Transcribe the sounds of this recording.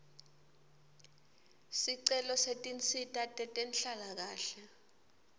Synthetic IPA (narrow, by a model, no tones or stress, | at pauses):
siǀɛlɔsetʼint͡sʰʼitʼatʼɛtʼɛnɬalak̬aːɬɛ